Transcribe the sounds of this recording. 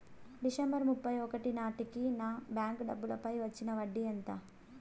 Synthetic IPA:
ɖisɐmbɐɾmupːɐjɔkɐʈinaːʈikːinaːbjaːŋkɖɐbːulɐpɐjʋɐt͡ʃːinɐʋɐɖːiɐnt̪ɐ

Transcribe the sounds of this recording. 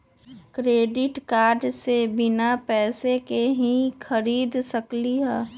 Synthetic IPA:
kɾeːɖɪʈkaːɾɖsebɪnapɛːsekeɦĩxʰəɾiːd̪səkliɦɛː

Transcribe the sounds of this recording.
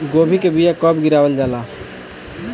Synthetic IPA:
ɡobʱikebijakʌbɡiɾabəld͡ʒala

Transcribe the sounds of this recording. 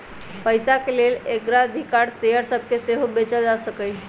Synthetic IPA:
pəjsakelelekɾaəd̪ʱikaɾsejəɾsəbʱkeseɦobet͡ʃəld͡ʒasəkəj

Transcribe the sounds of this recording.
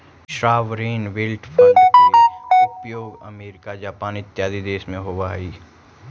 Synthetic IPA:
ʃɾaːʋɾeːnʋɪlʈfʰə̃keʊpjoːɡɐ̰meːɾɪkad͡ʒaːpaːnɪt̪jaːd̪id̪eːsmẽɦoːʋaːiː

